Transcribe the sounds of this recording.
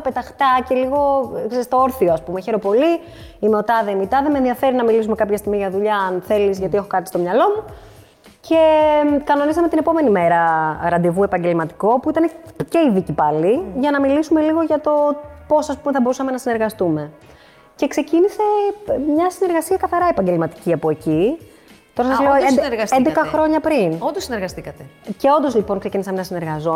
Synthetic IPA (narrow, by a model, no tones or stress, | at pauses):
ɐpet̪ɐxt̪ɐce̞liɣo̞kseɾist̪o̞oɾθioɐspumeçe̞ɾo̞po̞li | imeot̪ɐðemit̪ɐðemenðiɐfe̞ɾinɐmilisumekɐpçɐst̪imiʝɐðuʎɐːnθe̞lizʝɐt̪ie̞xo̞kɐt̪i̥st̪o̞mɲɐlo̞mu | cʰe̞kɐno̞nisɐme̞t̪inepo̞me̞nime̞ɾɐɾɐd̪evue̞pɐɲɟe̞lmɐt̪i̥ko̞puit̪ɐnece̞iðicipɐliʝɐnɐmilisume̞liɣoʝɐt̪o̞po̞sɐspumeθɐbo̞ɾusɐme̞nɐsineɾɣɐst̪ume̞ | ce̞kse̞cinise̞mɲɐsine̞ɾɣɐsiɐkɐθɐɾɐepɐɲɟe̞lmɐt̪i̥ciɐpoe̞ci | t̪o̞ɾɐs̬ɐzleoed̪ɾɐsend̪ekɐxɾo̞ɲɐpɾinond̪osineɾɣɐst̪ikɐt̪ece̞o̞nd̪o̞zlipo̞ŋkse̞cinisɐmenɐsine̞ɾɣɐzo